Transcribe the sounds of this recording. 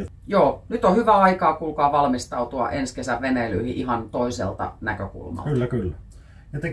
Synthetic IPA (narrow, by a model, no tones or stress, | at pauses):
joːnyt̪ohyʋæɑikɑːkulkɑːʋɑlmist̪ɑut̪uɑ̰ʔenskesæʋʋenely̰ːhiʔiɦɑnt̪oisḛlt̪ɑ̰nækø̰kṵlmɑ̰lːkylːækylːæ | jɑt̪e